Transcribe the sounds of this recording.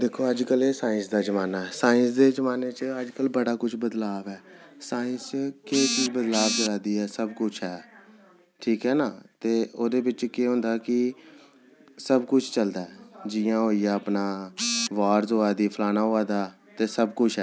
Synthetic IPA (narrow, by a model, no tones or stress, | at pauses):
d̪ekʰːoːəd͡ʒkəleːsãːɪ̃nsd̪aːd͡ʒəmaːnaːɛːsaːɪ̃nsd̪eːzəmaːneːt͡ʃəəd͡ʒkəlbəɽaːkʊt͡ʃʰbəd̪laːbɛːsaːɪ̃nst͡ʃkeːt͡ʃiːzbəd̪laːb̚d͡ʒəɾaːd̪iːɛːsəbkʊt͡ʃʰɦɛː | ʈʰiːkɦɛːnaːt̪eːoːd̪eːbɪt͡ʃkeːɦõːnd̪aːkɪ | səbkʊt͡ʃʰt͡ʃəld̪aːɛd͡ʒɪːãːɦoːiːjaːəpnaːʋaːɾzoːaːd̪iːpʰəlaːnaːɦoːaːd̪aː | t̪eːsəbkʊt͡ʃʰɦɛː